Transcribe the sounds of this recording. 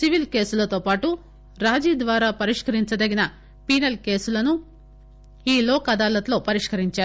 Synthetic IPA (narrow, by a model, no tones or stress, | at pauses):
siʋilke̞ːsulɐt̪o̞ːpaːʈu | ɾaːd͡ʒiːd̪ʋaːɾaːpɐɾiʂkɐɾiɲt͡ʃɐd̪ɐɡinɐ | piːnɐlke̞ːsulɐnu | iːlɔːkɐd̪aːlɐt̪lo̞ːpɐɾiʂkɐɾiɲt͡ʃaːɾu